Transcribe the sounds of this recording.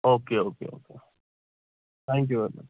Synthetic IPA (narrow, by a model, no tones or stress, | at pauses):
oːkeoːkḛːo̰ːkḛ | t̪ʰɛ̃ːŋk̬juəma̰